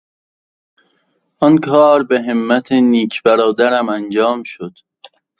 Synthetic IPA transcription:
ɒnkʰɒːɾbeɦemːæt̪ʰeniːkʰb̥æɾɒːd̪æɾæmænd͡ʒɒːmʃod̪̥

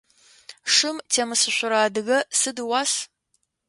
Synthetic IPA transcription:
ʂɨmtʰeːmɨsɨɕʷʊɾaːdɨɣɐsɨdɨwaːs

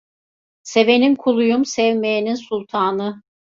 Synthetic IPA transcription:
seve̞nimkʰulˠujumsɛvmejininsulˠt̪ʰaːnɯ

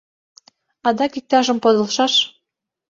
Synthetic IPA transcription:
ɑd̪ɑkik̚t̪ɑʃɤ̆mpod̪ɤ̆lʃɑʃ

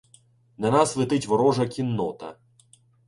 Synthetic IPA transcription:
nɐnɑslˠɪt̪ɪtʲʋɔɾɔʒɐkʲinːɔt̪ɐ̰

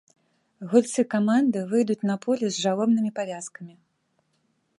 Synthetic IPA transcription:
ɣulʲt̪sɨkamand̪ɨvɨjd̪ut͡sʲnɐpɔlʲɛzʐalˠɔbnɨmʲipavʲaskɐmʲi

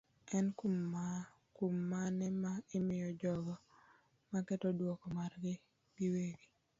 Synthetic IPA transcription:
ɛnkum | kumːanɛmaɪmɪjɔd͡ʒɔɡɔ | makɛtɔdwɔkɔmarɡɪ | b̥iweɡi

